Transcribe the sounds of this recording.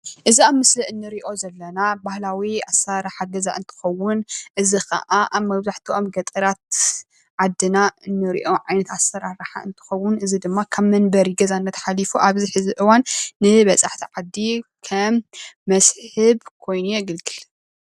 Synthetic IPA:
ʔɨziaβmɨsliʔɨnːɨɾiʔo̞zɐlːɐnabahlawiasːaɾaħaɡɐza̰ʔɨnt̪ʰɨ̥xɐwːʊnʔɨzixɐ̰ʔaʔaβmɐβzaħt̪ʰiʔo̞mɡɐt̪ʼɨɾat̪ | ʕad̪ːɨnaɨnːɨɾḭʔo̞ʕajnɐt̪asːɐɾaɾaħa̰ɨnt̪ʰɨ̥xɐwːʊnʔɨzid̪ɨmːakʰaβmɐnbɐɾiɡɐzanːɐt̪ʰħalifuʔaβziħɨziʔɨwanːɨβɐsʼaħt̪ʰiʕad̪ːikʰɐmːɐsħħɨβkʰo̞jnujɛɡɨlɡɨl

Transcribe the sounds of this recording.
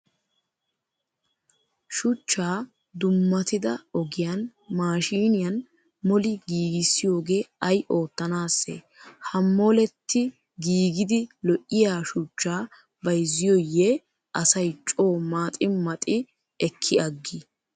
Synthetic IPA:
ʃʊt͡ʃːaː | d̪ʊmːɐt̪ɪd̪ɐɔɡɪjɐnmaːʃiːnɪjɐn | mɔlɪɡiːɡɪsːɪjo̞ːɡe̞ːɐjʔo̞ːt̪ːɐnaːsːḛː | hɐmːoːlɛt̪ːɪ | ɡiːɡɪd̪ɪlɔʔɪjaːʃʊt͡ʃːaː | bɐjzːɪjojːɛ | ʔɐsɐjt͡ʃʼo̞ːmaːt̪ʼɪmɐt̪ʼɪ | ɛkʰːɪɐɡːɪ

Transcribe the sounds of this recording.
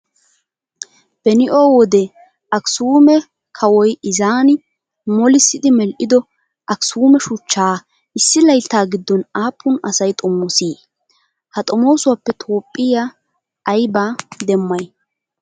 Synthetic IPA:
b̥ɛnɪʔo̞ːwɔd̪ɛ | ʔɐksuːmɛ | kʰɐwɔjɪzaːnɪ | mɔlɪsːɪd̪ɪmɛlʔɪd̪ɔ | ʔɐksuːmɛʃʊt͡ʃːaː | ʔɪsːɪlɐjt̪ːaːɡɪd̪ːɔnaːpʰːʊnɐsɐjt̪ʼɔmːʊsiː | hɐt̪ʼɔmo̞ːsʊwapːɛt̪ʰo̞ːpʼːɪja | ʔːjbaːd̪ɛmːɐj

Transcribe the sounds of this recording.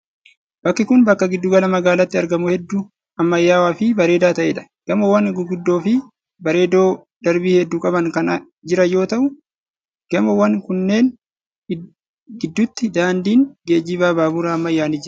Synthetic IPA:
b̥ɐkːɪkʊnbɐkːɐɡɪd̪ːʊɡɐlɐmɐɡaːlɐt̪ːɪɐɾɡɐmʊhɛd̪ːu | ɐmːɐjːaːwaːfɪbɐɾe̞ːd̪aːt̪ɐʔeːᶑɐ̥ | ɡ̥ɐmɐwɐŋɡʊɡʊd̪ːo̞ːfɪ | bɐɾe̞ːd̪o̞ːd̪̥ɐɾbiːhɛd̪ːuːkʼɐbɐŋkɐn | d͡ʒɪɾɐjo̞ːt̪ɐʔʊ | ɡ̥ɐmɐwɐŋkʊnːe̞ːn | ɡɪd̪ːʊt̪ːɪd̪aːnd̪iːnɡeːd͡ʒibaːbaːbʊɾaɐmːɐjːaːnɪd͡ʒɪɾ

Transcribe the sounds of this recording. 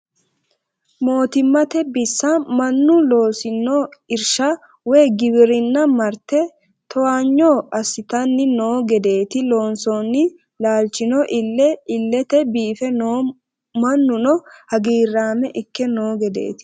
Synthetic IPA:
mo̞ːt̪ɪmːɐt̪ɛbɪsːɐmɐnːʊlo̞ːsɪnːoɪɾʃɐ | wɛːɡɪbɪɾɪnːɐmɐɾt̪ɛ | t̪ɔwaːɲːoːʔɐsːɪt̪ɐnːɪno̞ːɡɛd̪e̞ːt̪ɪlo̞ːnsonːɪ | laːlt͡ʃːɪnɔʔɪlːɛɪlːɛt̪ɛbiːfɛo | mɐnːʊnɔhɐɡiːrːaːmɛʔɪkːɛno̞ːɡɛd̪ḛːt̪ɪ̥

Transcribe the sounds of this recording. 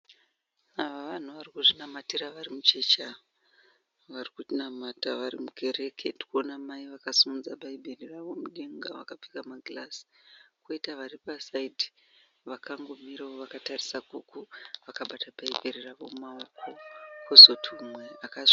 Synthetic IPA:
aʋaʋan̤uʋarikuʐinamatiraʋarimut͡ʃet͡ʃa | ʋarikuinamataʋarḭmukʰe̞ɾe̞kʰendi̥kuonamaiʋakasumud͡zabʱaibʱeriraʋo̞muɗeŋɡaʋa̰kap͡fikamaɡʱlasi̥koitaʋaripasaidi | ʋakaŋɡo̞miɾaoʋakatarisakukuʋakaɓatabʱaibʱeɾiraʋo̞maoko̞kʰozo̞tʰumweakaʐ

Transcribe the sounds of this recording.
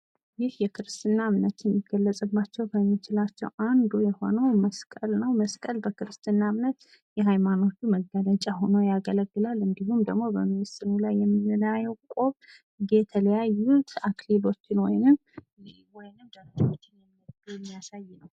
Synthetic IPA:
jɪhjɛkʰɨɾɨst̪ʰɨnːamnət̪jɛmːiɡəlːət͡sʼɨbːat͡ʃːɛwkʰəmːit͡ʃɪlat͡ʃːɛ̰wʔand̪ujɛho̞̰nəwməskʼəlnəwməskʼəlbəkʰɨɾɨst̪ʰʼɨnːamnət̪ | jɛɦajmano̞t̪ːuməɡələt͡ʃʼaho̞nojaɡələɡːɨlalɨŋɡihumd̪əɡmo̞bəmɨnst̪ɨnulajːɛmːinɨlajɛwkʼo̞β | ɡet̪ʰələjajːut̪aklibo̞t͡ʃːɪnwɔjnɨm | wɔjnɨmd̪əɾd͡ʒwo̞t͡ʃːɪnjɛmːɨjɛmːijasajːɪnəw

